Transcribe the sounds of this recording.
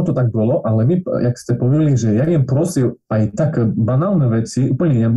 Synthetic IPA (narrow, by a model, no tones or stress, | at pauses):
t̪ɔt̪aɡ̚bɔlɔʔalɛmijakst̪ʲɛpɔʋɛliʒɛjaɡjɛmpɾɔsilajt̪akbanalnɛʋɛt͡siʔuːpl̩ɲɛɲɛ